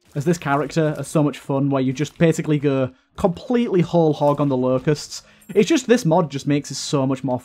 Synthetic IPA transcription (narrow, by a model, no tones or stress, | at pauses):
əzðɪskʰaɹɪk̚tə˞əz̥soʊmʌt͡ʃfʌ̃nwəjəd͡ʒʌsb̥eɪsɪkliɡo | kʰə̃mpʰl̥iˑʔlihoʊlˠhɒɡə̃nðəloʊkəsts | ɪt̚d̥ʒ̥ʌsðɪsmɒd̚d͡ʒʌsmeɪksɪtsoʊmʌt͡ʃmɔːɹ